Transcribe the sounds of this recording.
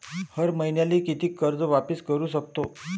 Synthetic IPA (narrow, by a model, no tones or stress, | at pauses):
həɾməɦinjaliːkit̪iːkəɾd͡zʋapəskəɾuːs̬ək̚t̪o